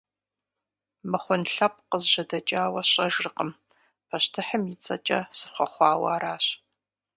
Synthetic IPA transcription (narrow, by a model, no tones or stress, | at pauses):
mɨχʷʊnɬɐp̚qəzʒɐdɐt͡ʃʼaːwɐɕʼɐʒrɨqəm | pʰɐɕtʰɨħəmjɪt͡sʼɐ̰t͡ʃʼɐ̰sɨχʷɐχʷɑːwɐ̰ːɾaːɕ